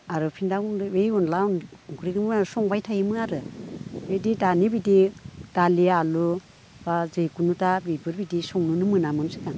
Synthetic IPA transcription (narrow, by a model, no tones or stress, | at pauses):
aɾɯpʰindaunejunlanɡuɾikmsɔŋbajtʰajimɯaɾɯ | edidanibidid̥alialu | bazɯjkunutabibɯɾbidisɔŋnunɯmɯnamɯnsɯ̥kaŋ